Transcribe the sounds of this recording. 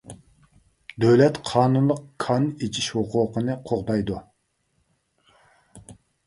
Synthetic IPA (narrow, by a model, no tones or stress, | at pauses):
d̪øwlɛt̪qʰɑːnunlˠəqkʰɑnet͡ʃʰiʃhuquːqənɨqʰoʁbɑjd̪u